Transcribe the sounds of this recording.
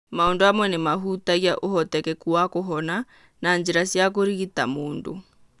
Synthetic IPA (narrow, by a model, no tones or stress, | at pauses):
maɔndoamwɛnɛmaɦutajaʔohɔtɛkɛkuakoɦɔna | naɲd͡ʒeɾasjak̬oɾiita̰moːndo̰